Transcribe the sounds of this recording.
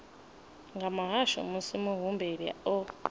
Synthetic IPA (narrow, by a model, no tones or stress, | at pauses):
ŋɡamaɦaʃɔ̰musimuɦumbeɾiɔ